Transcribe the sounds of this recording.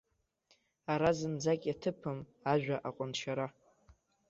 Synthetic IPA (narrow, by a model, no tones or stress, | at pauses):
aɾazɨnd͡zakʲʼjatʰɨpʰɨm | aʒᶣaʔaqʷʼʊnʃaɾa